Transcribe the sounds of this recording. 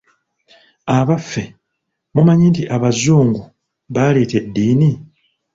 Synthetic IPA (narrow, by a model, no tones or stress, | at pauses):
aβafːe̞ | mumaɲintiʔaβazuːŋɡu | βale̞ːte̞dːiːni